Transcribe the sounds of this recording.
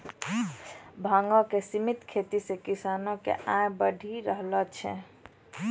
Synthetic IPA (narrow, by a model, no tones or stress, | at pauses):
bʱãŋɡɔkesimit̪kʰet̪isekisanõkḛʔajbəɖʱiɾəɦlət͡ʃʰɛ̰̃